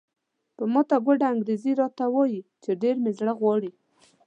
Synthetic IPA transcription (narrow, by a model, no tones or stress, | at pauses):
pəmɑt̪aɡʷoɖaːŋɡɾeziɾɑt̪awɑjit͡ʃeɖeɾmezɽəɣwɑɽi